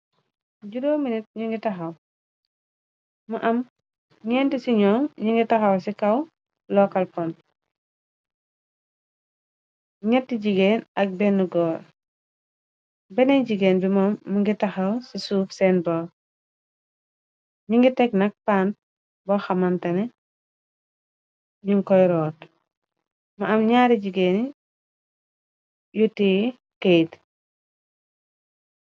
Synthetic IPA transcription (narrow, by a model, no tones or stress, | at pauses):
ɟuɾoːminit̚ɲiŋɡitɐxɐw | muʔɐm | ɲɛːntisiɲɔːmɲiŋɡitɐxɐwsikɐw | lɔkɐlpɔn | ɲɛtːiɟiɡeːnɐk̚bɛnːuɡɔːɾ | bɛnɛɟiɡeːnbimɔmːuŋɡitɐxɐwsisuːfsɛːnbɔː | ɲiŋɡitɛk̚nɐk̚paːnt̚ | bɔxɐmantɐnɛ | ɲuŋkɔjɾɔːt | mɐɐmɲaːɾiɟiɡeːn | juti | kejt